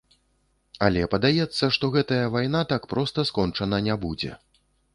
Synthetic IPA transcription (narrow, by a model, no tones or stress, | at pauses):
alʲɛpɐd̪ajɛt̪sːɐʂt̪ɔɣɛt̪ɐjɐvajnat̪akpɾɔst̪ɐskɔnt͡ʂɐnɐnʲɛbud͡zʲɛ̰